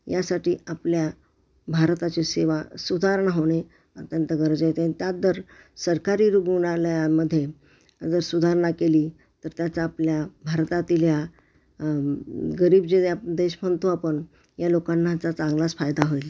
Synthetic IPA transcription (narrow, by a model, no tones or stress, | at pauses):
jasaʈiːaplja | bʱaɾt̪at͡ɕeseʋasud̪ʱaɾɳaɦoɽ̃e | ət̪jənt̪əɡəɾəd͡zet̪anit̪jadəɾsəɾkaɾiːɾuɡuɳaljaməd̪ʱːje | d͡zəɾsud̪ʱaɾɳakeliː | t̪əɾt̪jat͡saːpljabʱaɾt̪at̪ilja | ɡəɾiːbd͡ʑejad̪eɕmənt̪uapəɳ | jalokanːat͡sat͡sãŋɡlasfajd̪aɦojle